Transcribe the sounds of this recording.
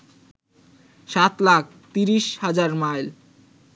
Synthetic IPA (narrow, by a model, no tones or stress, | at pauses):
ʃat̪lak̚ʰt̪iɾiʃhad͡ʑaɾmajl